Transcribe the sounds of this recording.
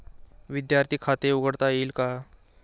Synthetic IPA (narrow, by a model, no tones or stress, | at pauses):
ʋid̪jaɾt̪ʰiːkʰat̪euɡəɽt̪ailka